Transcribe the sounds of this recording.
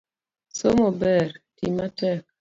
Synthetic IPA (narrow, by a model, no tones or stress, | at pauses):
somɔbɛɾtimatɛk̚